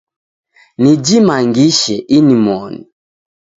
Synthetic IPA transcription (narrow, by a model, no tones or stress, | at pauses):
nid͡ʒimaŋɡiʃɛʔinimɔnḭ